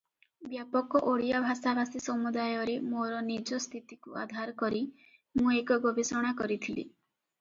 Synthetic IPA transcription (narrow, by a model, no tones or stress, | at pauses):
bjapɔkɔʔoɽijabʱasabʱasisɔmud̪ajɔɾemoɾɔnid͡ʒɔst̪ʰit̪ikua̰d̪ʱaɾɔkɔɾi | mũekɔɡɔbisɔɽ̃akɔɾit̪ʰilḭ